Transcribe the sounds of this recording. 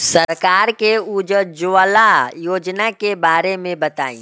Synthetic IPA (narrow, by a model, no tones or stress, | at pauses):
səɾkaːɾkeud͡ʒəd͡ʒʊʋəlajoːd͡ʒnakebaːɾemẽbɐt̪a̰ːḭ̃ː